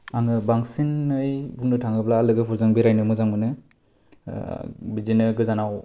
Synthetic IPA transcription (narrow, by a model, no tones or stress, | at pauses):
aŋɯbaŋsinːɯjbuŋnɯtʰaŋɯplaːlɯɡɯpʰuɾzɯŋbiɾajnɯmɯzaŋmɯnɯ | bizinɯɡɯzanaw